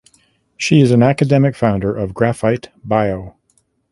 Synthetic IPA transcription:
ʃiɨzɨ̃n̩ækɨdɛmɨkfãʊ̃ndə˞ʔʌvɡɹæfaɪtb̥aɪoʊ

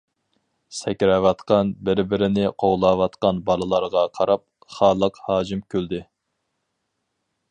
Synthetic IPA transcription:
sɛkʲɾɛwɑt̪qɑnbɪɾbɪɾɪnɪqʰoʁlˠɑːwɑt̪qɑnbɑlˠɨlˠɑɾʁɑqʰɑɾɑp̚ | χɑːlˠəqhɑːd͡ʒimkʲʰøld̪ɪ

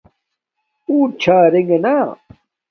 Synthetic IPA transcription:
uːt͡ɕʰaːɾeŋɡɐna

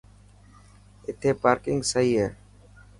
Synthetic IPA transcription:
ɪt̪ʰeːpaːɾkɪŋɡsəiːɦeː

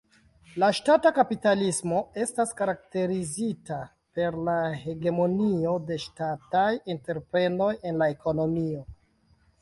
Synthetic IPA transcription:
laʃtatakapitalismo̞e̞staskaɾak̚te̞ɾizita | pe̞ɾlahe̞ɡe̞mo̞nio̞de̞ʃtatajinte̞ɾpɾe̞no̞je̞nlae̞ko̞no̞mio̞

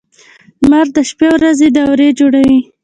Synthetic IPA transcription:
maɾd̪əʃpewɾazed̪awɾed͡ʒoɽawi

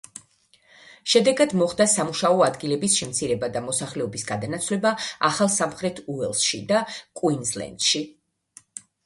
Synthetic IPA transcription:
ʃɛd̪ɛɡad̪mɔχd̪asamuʃaɔad̪ɡilɛbisʃɛmt̪sʰiɾɛbad̪amɔsaχlɛɔbisɡad̪anat̪sʰwlɛbaaχalˠsamχɾɛt̪ʰuɛlˠsʃḭd̪akʼwinzlɛ̰nd̪̥ʃi

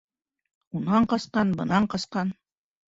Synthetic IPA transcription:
unɑɴqɑsqɑnbɤ̆nɑɴqɑsqɑn

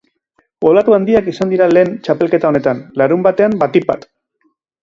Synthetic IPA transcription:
olat̪uand̪iakisand̪iɾale̞ːnt͡ʃape̞lke̞t̪ao̞ne̞t̪anlaɾumbat̪e̞ambat̪ipa̰t̪

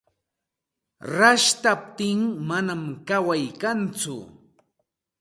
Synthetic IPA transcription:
ɾaʃt̪ap̚t̪ɪŋmanamkawajkant͡sʊ̰

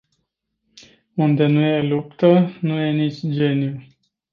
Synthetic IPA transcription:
und̪e̞nuje̞lupt̪ənuje̞nit͡ʃʲd͡ʒe̞nju

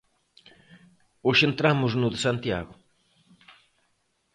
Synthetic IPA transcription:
ʊʃent̪ɾamʊznʊðsant̪ja̰ɣʊ

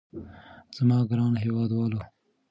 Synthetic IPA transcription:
z̥amɑːɡɾɑnɦewɑːd̪wɑːlo

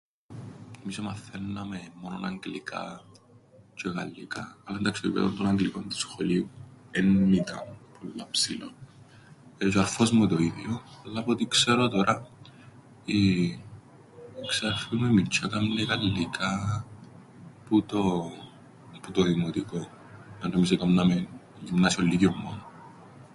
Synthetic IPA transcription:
emisomɐθenːɐmemːononɐŋɡlikʰa̰ | t͡ʃekɐ̰lːḭkɐ̰ːlːɐnd̪ɐksoipḛðont̪onɐŋɡlikont̪u̥sxoliuenːit̪ɐ̰pʰolːa̰psilo̰n | et͡ʃoɐɾfozmut̪oiðjoɐlːapot̪ikseɾot̪oɾʔɐ | i | ksefimemint͡ʃʰːɐkɐmnekɐlːikʰa | put̪o | put̪oðimot̪iko | nɐt̪omis̬ekɐmnɐme | imnasiolːikiomːo̰no

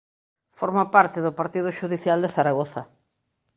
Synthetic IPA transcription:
foɾmapaɾt̪ɪðʊpaɾt̪iðʊʃuðiθjald̪eθaɾaɣoθa

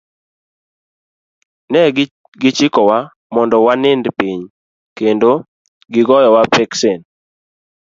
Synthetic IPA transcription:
nɛ | ɡɪt͡ʃɪkɔwa | mɔndɔwanɪndpiɲ | kendo | ɡɪɡɔjɔwapɛksen

